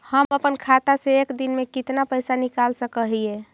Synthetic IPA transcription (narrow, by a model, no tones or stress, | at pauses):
həməpənkʰat̪aseekd̪inmekit̪napəjsanikalsəkəɦie